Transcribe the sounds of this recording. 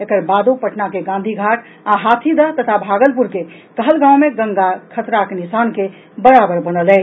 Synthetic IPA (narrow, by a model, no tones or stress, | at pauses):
ekəɾbad̪opəʈnakeɡãnd̪ʱiɡʱaʈʰ | aɦat̪ʰid̪ət̪ət̪ʰabʱaɡəlpuɾkekəɦəlɡãwmeɡəŋɡakʰət̪ɾakenisanke | bəɾabəɾbənəlɛ